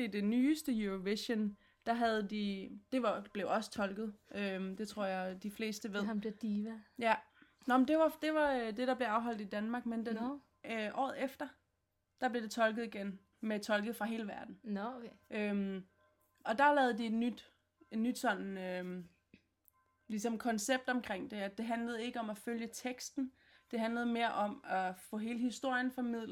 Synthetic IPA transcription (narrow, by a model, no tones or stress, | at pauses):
id̥e̝nyːsd̥əjuoʋeɕən | d̥ɑ̈ɦæð̞̩ˠd̥id̥e̝ʋɑ̈b̥leʊɒ̽sə̥t͡sʰɒ̽lɡ̥ð̞̩ˠʔød̥e̝t͡sʰʁo̝ɐ̰jɑ̈ɪd̥ifle̝̰ːsd̥əʋeð̰ˠmbed̥iːʋjænɒmn̩d̥e̝ʋɑ̈d̥e̝ʋɑ̈ød̥e̝ɾ̥ɑ̈b̥le̝ɑ̈ʊɦɒ̽l̰d̥id̥ænmɑ̈ːɡ̥mend̥en | øʔɒ̰ːð̩ˠefd̥ɐ | d̥ɑ̈b̥le̝d̥e̝t͡sʰɒ̽lɡ̥ð̞̩ˠiɡ̥en | met͡sʰɒ̽lɡ̥ð̩ˠfʁɑ̈ɦe̝ːləʋæɐd̥n̩ʔøm | ɒ̽d̥ɑ̈lɛːð̞̩ˠd̥ie̝d̥nyd̥ | e̝d̥nyd̥sɒ̽n̰n̩ø | lisɒ̽mkʰɒ̽nseb̥̚d̥ɒ̽mkʰʁeŋ̰d̥e̝æd̥e̝ɦænləð̩ˠe̝ɡ̥əɒ̽mæføljət͡sʰeɡ̥sd̥n̩ | d̥e̝ɦænləð̞̩ˠme̝ːɐʔɒ̽mæfɔ̰̽ːɦe̝ːləɦisd̥o̝ɐ̰jənfɒmið̰ˠl